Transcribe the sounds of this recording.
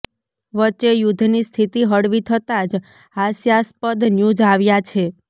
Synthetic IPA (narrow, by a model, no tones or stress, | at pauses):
ʋət͡ʃːejud̪ʱnist̪ʰit̪iɦəɽʋit̪ʰət̪ad͡ʒ | ɦasjaspəd̪njud͡ʒaʋjat͡ʃʰe